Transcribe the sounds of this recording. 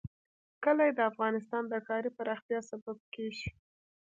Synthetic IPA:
kəlajed̪əafɣɑnɪs̬t̪ɑnd̪əkɑɾipaɾɑxt̪jɑsabab̚keʒi

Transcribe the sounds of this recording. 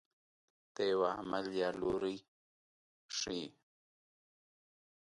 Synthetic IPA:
t̪ewamaljaluɾij | ʂi

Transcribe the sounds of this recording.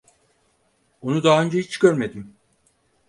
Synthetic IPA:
onud̪aɦːønd͡ʒɛhit͡ʃɟ̥øɾme̞d̪im

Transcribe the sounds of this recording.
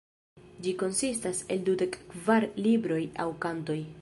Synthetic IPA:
d͡ʒiko̞nsistase̞ldude̞kːvaɾlibɾo̞ja̰wkanto̞j

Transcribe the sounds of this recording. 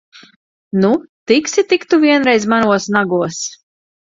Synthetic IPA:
nut̪iksʲit̪ikt̪uvʲiɛnɾɛjzmanuɔsnaɡuɔs

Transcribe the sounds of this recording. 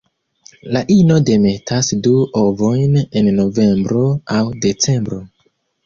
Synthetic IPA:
laʔino̞de̞me̞tʰasduʔovo̞jne̞nːo̞ve̞mbɾo̞awde̞t͡se̞mbɾo̞

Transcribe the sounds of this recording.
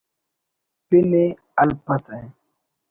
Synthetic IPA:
pene | alpasaj

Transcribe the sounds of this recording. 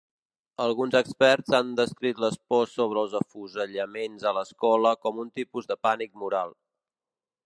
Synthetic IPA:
əlˠɣunzəkspɛrzand̪əskɾit̪ləspɔsːoβ̞ɾəːlˠzəfuzəʎəmenzələskɔləkɔmunt̪ipuzðəpanik̚muɾalˠ

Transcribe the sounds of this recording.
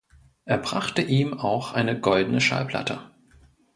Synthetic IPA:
ʔeːɐbʁaχtəʔiːmaʊxʔaɪnəɡɔldn̩əʃa̰lpl̥a̰tʰə

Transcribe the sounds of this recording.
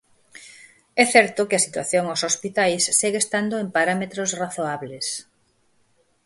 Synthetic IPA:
ɛθɛɾt̪okɪɐsit̪waθjoŋaosospit̪ajsːiɣest̪and̪oempaɾamet̪ɾosraθoaβles

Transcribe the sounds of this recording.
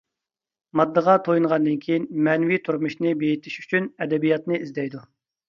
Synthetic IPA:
mɑd̪ːəʁɑt̪ʰojuŋʁɑnd̪ɨnkʲʰejinmɛnwit̪ʰuɾmuʃnɨbejit̪ʰiʃy̥t͡ʃʰynɛd̪ɛbijɑt̪nɨizd̪ɛjd̪u

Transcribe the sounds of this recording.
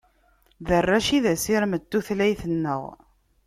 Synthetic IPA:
ðərːæʃiðæsiɾməd̪ːuθlæjθənːə̰ʁ

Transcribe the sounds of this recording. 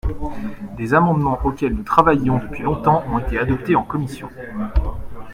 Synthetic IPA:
d̪ezamɑ̃d̪mɑ̃ʔokʲɛlnut̪χavajɔ̃d̪əpɥilɔ̃t̪ɑ̃ʔɔ̃tet̪ead̪ɔpt̪eɑ̃kɔmisjɔ̃

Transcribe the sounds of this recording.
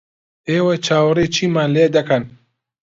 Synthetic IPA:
eːwɐt͡ʃʰaːwɾeːt͡ʃʰiːmaːnleːd̪ɐkʰɐn

